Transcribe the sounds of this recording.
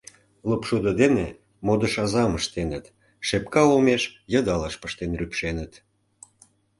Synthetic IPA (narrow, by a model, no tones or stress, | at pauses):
lopʃud̪ə̆d̪ene | mod̪əʃɑzɑməʃt̪enət̪ | ʃepkɑomeʃjɑ̆d̪ɑlɑʃpəʃt̪enrypʃenə̆t̪